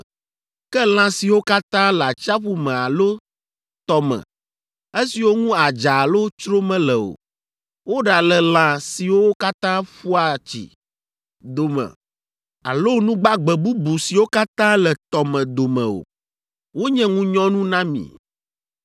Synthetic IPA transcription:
kɛ˦l̃ã˦si˨wo˦ka˦t̪ã˦la˨t͡ʃa˦ɸu˦mɛ̃˨a˨lo˦ | t̪ɔ˦mɛ̰̃˨ | e˦si˨wo˦ŋũ˦a˨d͡ʒa˨lo˦t͡ʃɾo˦mɛ̃˦lɛ˨o̰˨ | wo˦ɖa˨lɛ˨lã˨si˨wo˦wo˦ka˦t̪ã˦ɸu˦a˨t͡ɕḭ˨ | d̪o˨mɛ̰̃˨ | a̰˨lo˦nũ˦ɡ͡ba˦ɡ͡bɛ˨bu˦bu˨si˨wo˦ka˦t̪ã˦lɛ˨t̪ɔ˨mɛ̃˨d̪o˨mɛ̰̃˨o̰˨ | wo˦ɲɛ̃˦ŋũ˦ɲɔ̃˦nũ˦nã˦mḭ̃˨

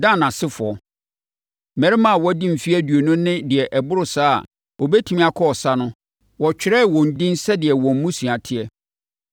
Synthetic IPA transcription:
dã˦˨nã˨sɪ˦fʊ˨ɔ˨ | mɛ̃˨ɾɪ˦mã˦a˨wɔ˦dĩ˦m̩˨fi˦ɛ˦dɥo˨nʊ̃˦nɪ̃˦dɪ˨ɛ˨ʔɛ˨bʊ˦ɾʊ˨saː˦a̰˨ | ɔ˨bɛ˦tʰi˦mĩ˦a˨kʰɔ˦ɔ˨sa˦nʊ̃˦ | wɔ˨t͡ɕᶣɪ˦ɾɛ˦˨wɔ̃˨n̩˨dĩ˦nsɛ˦dɪ˨ɛ˨wɔ̃˨m̩ː˦ũ˦si˨a˨tʰɪ˦ɛ˦

